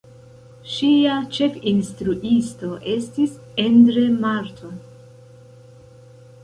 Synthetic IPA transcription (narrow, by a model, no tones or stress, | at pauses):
ʃiat͡ʃe̞kinstɾuʔisto̞ʔe̞stis | endɾe̞maɾtʰo